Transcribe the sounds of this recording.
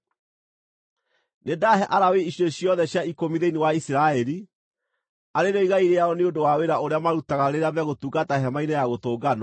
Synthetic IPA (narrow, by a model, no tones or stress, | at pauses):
nedaɦɛʔaɾaweiɕioɕijɔðɛɕjaikomiðeinewaisiɾaɛɾi | aɾeɾoiɣaiɾeaɔneodowaweɾaoɾeamaɾutaɣaɾeɾeaβeaɣotuɡataɦɛmainɛjaɣotoːɡanɔ